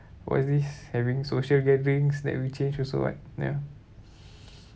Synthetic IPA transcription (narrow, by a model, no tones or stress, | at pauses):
wɔ̰sdishɛvĩŋsoʃəlɡɛdəɹĩŋsdɛ̰t̚wit͡ʃẽnd͡ʒɔso̰wɔ̰t̚ja̰